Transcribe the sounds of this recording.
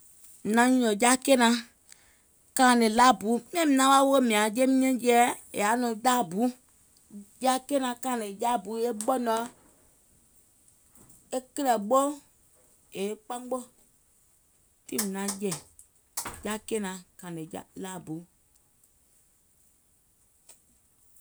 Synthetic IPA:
nã˨˦ɲũ˦lɔ̃˨ja˦ke˦nã˧˦ | kã˧˨lẽ˨laː˦˨bu˨˦m̃˦ɛ̃˦mĩ˨nã˨˦ɓa˦wo˦mĩ˨ã˨d͡ʒe˦mĩ˦ɛ̃˦jɛ˦e˨a˨˦nũ˨˧˨daː˦˨bu˨˦ | ja˦ke˦nã˧kã˧ã˨nẽ˨ja˦˨bu˨˦e˦ɓɔ˦nɔ˦ | e˦kə˦lɛ˨ɓo˦ | e˨˦k͡pã˦ɡ͡bo˦ | ti˦mĩ˨nã˨˦jɛ̃˨ | ja˦ke˦nã˨kã˨ne˨ja˦laː˦˨bu˨˦

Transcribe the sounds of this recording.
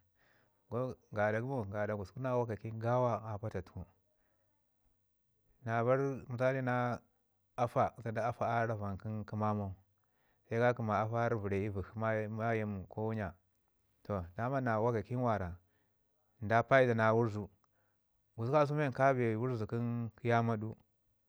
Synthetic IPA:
ɡo˦ɡa˨da˨ɡu˦mo˨ɡa˨da˨ɡu˨sku˦na˦wa˦ka˨ki˦nɡa˦wa˦a˨pa˦ta˨tu̥˨ku˦ | na˨βa˦ɾmu˨sa˦li˦na˦ | a˦fa˨sa˨da˦a˦fa˦a˦ɾa˦va˨nki˦nki˦ma˦ma˦ | sa˦i˦ɡa˦ki˨ma˨a˦fa˦ɾvu˨ɾe˨i˦vu˨hma˦ma˦ji˦m˨ko˦wu˦ɲa˨ | to˨da˦ma˦na˨wa˦ka˨ki˦n˦wa˨ɾa˨ | n˨da˦pa˦i˦da˨na˨wu˦ɾzu˨ | ɡu˨ska˦s̬u˦me˦nka˦be˨wu˦ɾzu˨ki˦nki˦ja˦ma˦du˦

